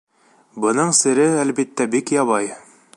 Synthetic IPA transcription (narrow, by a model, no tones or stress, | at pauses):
bɤ̆nɤɴsɘ̆ɾɘælbit̪ːæbikjɑβɑj